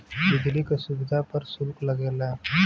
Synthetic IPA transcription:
bɪd͡ʒʱlikasuʋid̪ʱapəɾsulkləɡela

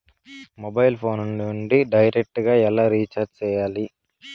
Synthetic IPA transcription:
mobɐjlpʰo̞ːnunːuɳɖiɖɐjɾek̚ʈɡaːɛlːaːɾiːt͡ʃaːɾɖt͡ʃɛːjaːli

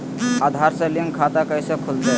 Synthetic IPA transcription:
ad̪ʱaɾsəliŋkʰat̪akəjsəkʰuld̪a

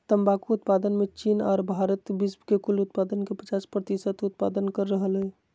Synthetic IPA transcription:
t̪əmbakuʊt̪paːd̪ənmẽt͡ʃiːnɔ̰ːɾbʱaɾət̪bisbkekʊlʊt̪̚paːd̪ənkepət͡ʃaːspɾət̪isət̪ʊt̪̚pa̰d̪ənkəɾːəɦəlɦɛ

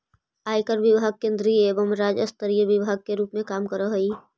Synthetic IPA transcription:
aːjkəɾʋɪbʱaɡ̚kẽːnd̪ɾieːbəmɾaːd͡ʒəst̪əɾijəʋɪbʱaːɡ̚keɾuːpmẽkaːmkəɾəɦəi

